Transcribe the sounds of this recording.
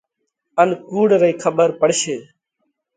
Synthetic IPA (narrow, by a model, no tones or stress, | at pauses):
ənkuːɽɾəiːkʰəbəɾpəɽʃeː